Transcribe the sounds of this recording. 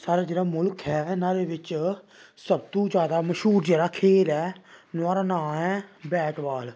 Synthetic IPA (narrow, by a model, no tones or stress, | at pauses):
saːɾaːd͡ʒeːɽaːmʊlkʰɦɛːnaːɾeːʋɪt͡ʃ | səb̚t̪õːd͡ʒjaːd̪aːməʃɦuːɾd͡ʒjaːɾaːkʰeːlɛːnʊaːɾaːnãːɛːbɛːʈʋaːl